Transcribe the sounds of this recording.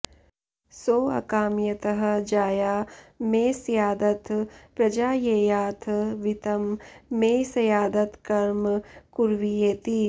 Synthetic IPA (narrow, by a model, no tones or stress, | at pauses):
soːɐ̰kaːmjɐt̪ɐɦɐ̆d͡ʒaːjaːmeːsjaːd̪ɐt̪pɾɐd͡ʒaːjejaːt̪ʰʋit̪ɐmːeːsɐjaːd̪ɐt̪kɐɾmkuɾʋijeːt̪i